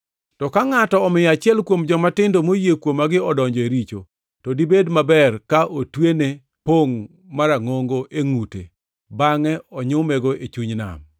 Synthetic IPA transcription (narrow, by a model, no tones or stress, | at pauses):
tɔkaŋatɔːmɪjat͡ʃɪɛlkwomd͡ʒɔmatɪndomojekwomːaɡɪɔdɔɲd͡ʒɔeɾit͡ʃo | tɔdibedmabɛrkaʔotwene | poŋ | maɾaŋoŋɡoʔeŋutḛ | baŋɛɔɲʊmɛɡoʔet͡ʃuɲna̰m